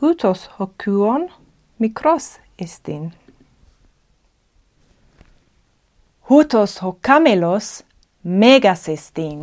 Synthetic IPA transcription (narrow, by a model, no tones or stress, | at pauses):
hut̪ʰoshokʰʉːon | mikʰɾɔs | est̪in | hut̪oshokʰamelos | meːɡasest̪in